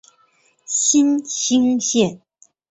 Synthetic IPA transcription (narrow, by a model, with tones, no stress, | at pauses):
ɕi˥nɕi˥ŋɕjɛ˥˩n